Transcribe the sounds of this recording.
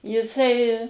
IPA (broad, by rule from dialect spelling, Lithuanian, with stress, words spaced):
jɪˈsɐɪ